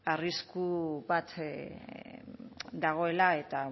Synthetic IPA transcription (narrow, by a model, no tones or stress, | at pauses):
ariskuβat̪ | d̪aɣ̞o̞e̞lae̞t̪a